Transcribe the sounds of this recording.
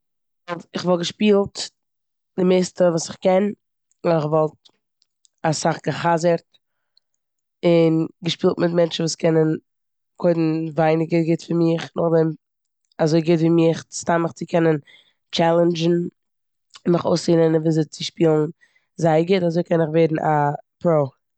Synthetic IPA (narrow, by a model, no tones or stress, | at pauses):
vɔlˠtɪχvɔlˠɡəʃpiːlˠt | d̥ɪmeːstəvuːsɪχkɛn | ɪχvɔlˠt̚ | asaχɡəχazəɾt̚ | ɪnɡəʃpiːlˠtmɪtmɛnt͡ʃn̩vuːskʰɛnən | kʰoɪdn̩vaɪnɪɡəɡɪtfɪɾmɪχnʊχdɛm | azoɪɡɪtviːmɪχt͡sstaməχt͡sɪkʰɛnən | t͡ʃɛlˠənd͡ʒn̩ | mɪχo̰ʊsinənviːzet͡sɪʃpiːlˠn̩ | zaɪəɡɪtazoɪkɛnɪχveɪdn̩ʔapɾoʊ